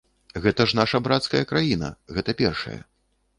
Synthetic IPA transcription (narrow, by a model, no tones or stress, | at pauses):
ɣɛt̪ɐʂnaʂɐbɾat̪skɐjɐkɾajinɐ̰ɣɛt̪ɐpʲɛrʂɐ̰jɐ̰